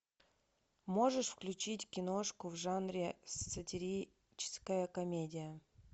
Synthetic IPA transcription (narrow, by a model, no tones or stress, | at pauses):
mo̞ʐɨʂfklʲʉt͡ɕitʲkʲɪnoʂkʊvʐanɾʲɪsːətʲɪɾʲi | t͡ɕɪ̥skəjəkɐmʲedʲɪjə